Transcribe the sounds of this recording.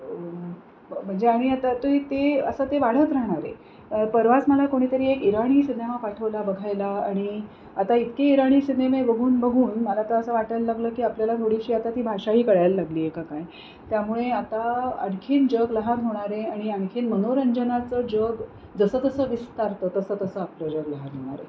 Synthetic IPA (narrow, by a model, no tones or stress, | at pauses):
m̤əɳd͡zeaɽ̃iat̪at̪oit̪eəsət̪eʋaɽ̤ət̪ɾəɦɳ̃aɾḛ | pəɾʋasməlakoɽ̃iːt̪əɾiːekiɾaɽ̃iːsid̪emapaʈʰəʋlabəɡʱajlaaɽ̃i | at̪ait̪keiɾaɽ̃iːsid̪emebəɡʱuːnbəɡʱuːnməlat̪aəsəʋaʈalːaɡləːkiːapljalat̪ʰoɽ̤iɕiːat̪at̪iːbʱaʂaɦiːkəɽjajlːaɡliːekakaj | t̪jamuɭeat̪aə̰ɽkʰiːnd͡ʑəɡləɦanɦoɽ̃aɾeaɽ̃iəɳ̃kʰiːnmənoɾəɲd͡ʑənat͡səd͡ʑəɡ | d͡zəsəːt̪əsəːʋist̪aɾt̪əːt̪əsəːt̪əsəapləd͡ʑəɡləɦanɦoɽ̃a̰ɾḛ